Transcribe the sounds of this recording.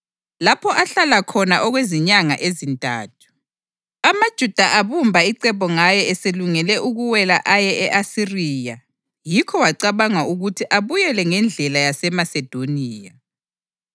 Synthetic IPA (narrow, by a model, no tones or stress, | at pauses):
lapʰɔʔaɬalakʰɔnaʔɔɣweziɲaŋa̰ʔezintʼa̰ːtʰu̥ | amad̥ʒ̥ʱud̥ʱaʔaβumbʱaiǀɛpɔŋajɛɛseluŋɛlɛʔuɣuwɛla̰ʔajɛʔɛʔasiriːja | jikʰɔwaǀaβaŋauɣutʰiʔaβujɛlɛŋɛnd͡ɮʱɛlajasɛmasɛd̥ʱoniːja